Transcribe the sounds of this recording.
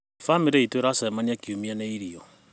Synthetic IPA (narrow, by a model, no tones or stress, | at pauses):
famiɾeitoeɾasamaniakiumianeiɾiɔ